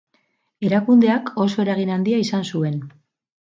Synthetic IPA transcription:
e̞ɾakund̪e̞akʰo̞so̞e̞ɾaɣ̞inand̪iaisansue̞n

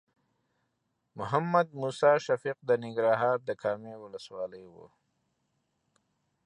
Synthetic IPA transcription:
mʊɦamːad̪̚muːsɑːʃafiq̚d̪ənɪŋɡɾɑːɦɑːɾd̪əkʰɑːmewʊləswɑːləjwṵ

